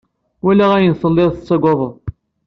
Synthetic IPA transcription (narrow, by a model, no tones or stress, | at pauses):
wælːæʁæjənsəlːeðˤθt͡sːɑɡʷɑðˤə